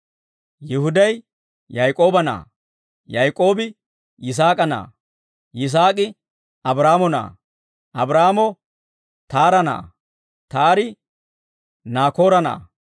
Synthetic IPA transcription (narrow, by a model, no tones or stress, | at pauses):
jɪhʊd̪ɐj | jɐjkʼo̞ːbɐna̰ː | jɐjkʼo̞ːbɪ | ɪs̬aːkʼɐna̰ː | jɪs̬aːkʼɪ | ɐbɾaːmɔna̰ː | ʔɐbɾaːmɔ | t̪aːɾɐna̰ː | t̪aːɾɪ | naːko̞ːɾɐna̰ː